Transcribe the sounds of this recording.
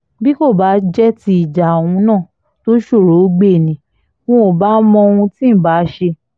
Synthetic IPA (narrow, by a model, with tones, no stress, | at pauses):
bi˦ko˦˨ba˨˦d͡ʒɛ˦ti˦i˨d͡ʒa˨wũ˧nãː˦˨ | to˦ʃo˦˨ɾo˨˦ɡ͡be˦˨nĩ˨˦ | wɔ̃˧o˨ba˨˦mɔ̃˧o˧ũ˧tĩ˦˨ba˨˦ʃe˧